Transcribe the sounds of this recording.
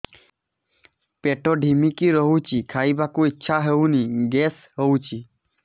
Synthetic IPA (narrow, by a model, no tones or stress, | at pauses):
peʈoɖʱimikiɾɔɦut͡ʃikʰaibakuitːʃʰaɦewniɡes | ɦewt͡ʃi